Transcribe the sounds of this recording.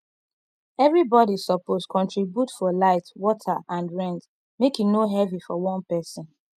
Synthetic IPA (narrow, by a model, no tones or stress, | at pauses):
ɛvɹibɔɾisɔposkʰɔ̃ntɹibjutfɔlaɪtwɔtʰəʔãndɹɛ̃nd | mekĩŋnoɦɛvifɔwɔ̃npɛsɔ̃n